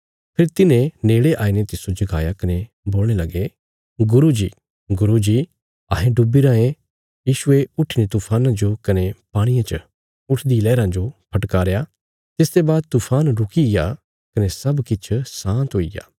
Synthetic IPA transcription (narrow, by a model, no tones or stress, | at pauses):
pʰeːɾt̪ɪnẽneːɽeʔaːinet̪ɪsod͡ʒɐɡa̰ːjakɐne | boːlɽ̃elɐɡe | ɡʊɾud͡ʒḭː | ɡʊɾud͡ʒiː | ɐːɦẽɖʊbiɾãːẽ | jiːʃʊeʊʈʰinet̪uːpʰaːnãd͡ʒokɐnepaːɽ̃ijãt͡ʃɐ̰ | ʊʈʰd̪ilɛːɾãd͡ʒopʰɐʈkaːɾeja | t̪ɪsd̪ebaːd̪̚t̪uːpʰaːnɾʊkiɪja | kɐnesɐbkɪt͡ʃʰsãːnt̪ɦoːija̰ː